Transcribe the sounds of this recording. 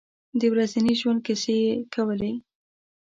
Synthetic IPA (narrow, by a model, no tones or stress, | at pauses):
d̪əwɾaziniʒwand̪̚kasekʰawəle